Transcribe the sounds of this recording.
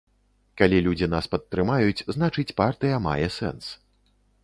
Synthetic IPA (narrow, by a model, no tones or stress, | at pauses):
kalʲilʲud͡zʲin̪aspɐt̪ːɾɨmajut͡sʲznat͡ʂɨt͡sʲpart̪ɨjɐma̰jɛsɛ̰ns